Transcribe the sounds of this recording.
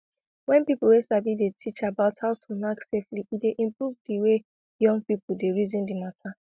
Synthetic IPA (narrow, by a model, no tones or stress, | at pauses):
wɛ̃npipl̩wesabidetʰit͡ʃabaʊthaʊtʰunaksefliʔideʔĩmpɹuvdiwe | jɔ̃ŋɡ̚pipudeɹizĩndimatʰa